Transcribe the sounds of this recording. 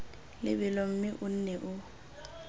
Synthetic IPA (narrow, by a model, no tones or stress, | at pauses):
lɪ̰bɪlɔm̩mɪʔʊn̩nɛʔʊ